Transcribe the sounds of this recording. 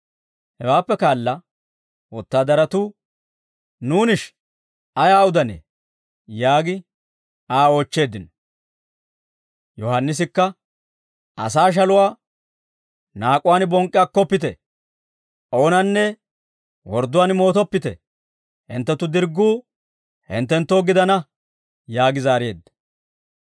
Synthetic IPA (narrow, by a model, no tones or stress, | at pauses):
hɛwaːpːɛkaːlːɐ | wɔt̪ːaːd̪ɐɾɐt̪ʊ | nuːnɪʃ | ʔɐjaːʊd̪ɐnḛː | jaːɡɪ | aːo̞ːt͡ʃːe̞ːd̪ɪn | jɔhɐnːɪs̬ɪkːɐ | ɐ̰saːʃ̬ɐlʊwaː | naːkʼːʊwaːnbɔŋkʼːɪjaːkːɔpːɪt̪ɛ | ʔo̞ːnɐnːɛ | wɔɾd̪ʊwaːnmo̞ːt̪ɔpːɪt̪ɛ̰ | hɪ̰nt̪ːɛt̪ːʊd̪ɪɾɡːuː | hɪ̰nt̪ːɛnt̪ːoːɡɪd̪ɐnɐ | jaːɡɪzaːɾɪjeːd̪ːɐ